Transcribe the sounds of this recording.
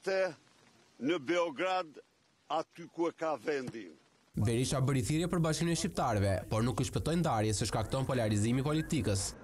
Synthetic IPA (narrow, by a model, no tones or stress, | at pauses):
t̪ɛ | nəbɛɔɡɾad̪ | at̪ykuɛkavɛnd̪i | vɛɾiʃabəɾiθiɾjɛpəɾbaʃkinɛʃcip̚t̪aɾɛvɛpɔɾnukuʃpɛt̪ɔjnd̪aɾjɛsɛʃkak̚t̪ɔnpɔlaɾizimipɔlit̪ikəs